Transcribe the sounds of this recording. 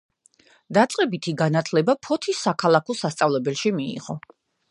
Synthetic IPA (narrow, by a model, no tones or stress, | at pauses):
d̪̥at̪sʼqʼɛbit̪ʰiɡanat̪ʰlɛbapʰɔt̪ʰisːakʰalˠakʰɔsast̪sʼavlɛbɛlˠʃimiḭʁɔ